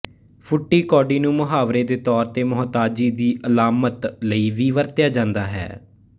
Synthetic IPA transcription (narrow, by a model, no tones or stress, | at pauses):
pʰʊʈːiːkɔːɖiːnũːmʊɦaːʋɾeːd̪eːt̪ɔːɾt̪eːmʊɦt̪aːd͡ʒiːd̪iːʔəlaːmət̪ləiːʋiːʋəɾt̪jaːd͡ʒãːnd̪aːɦɛ̰ː